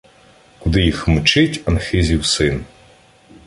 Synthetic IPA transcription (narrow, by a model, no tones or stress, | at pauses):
kʊd̪ɪjixmʊt͡ʃɪtʲɐnxɪzʲiwsɪn